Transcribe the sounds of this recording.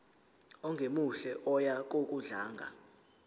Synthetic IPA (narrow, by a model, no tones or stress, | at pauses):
ɔŋɡʱemuɬɛʔɔjak̬ʼok̬ʼuɮaːŋɡʱa̰